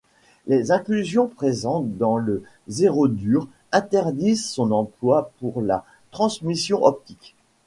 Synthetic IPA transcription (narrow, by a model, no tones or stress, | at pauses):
lezɛ̃klyzjɔ̃pχezɑ̃t̪d̪ɑ̃lə | zeʁod̪yːʁ | ɛ̃t̪ɛʁd̪izsɔ̃nɑ̃plwapuʁla | t̪χɑ̃smisjɔ̃ʔɔp̚t̪ik